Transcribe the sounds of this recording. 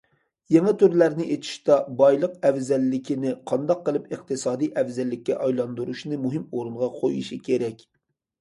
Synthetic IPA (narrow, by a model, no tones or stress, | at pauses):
jeŋɛt̪ʰøɾlæɾnɪʔet̪ʰɪ̥ʃt̪ɑbɑjlˠəqɛvzɛlːɪkʲʰinɪqʰɑnd̪ɑqːəlˠɨpəqt̪ʰɨsɑːd̪ijʔɛvzɛlːɪkʲːɛ̰ʔɑjlˠɑnd̪uɾuʃnɨmuɦɪmoɾɨnʁɑqʰojṵʃikʲʰeɾɛkʲ